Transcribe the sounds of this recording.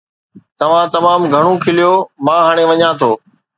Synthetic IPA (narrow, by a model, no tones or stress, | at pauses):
t̪ɐʋ̤ãt̪ɐmaːmɡʱɐɽ̃õkʰɪlijomãːɦaːɽ̃eʋɐɲãt̪ʰoː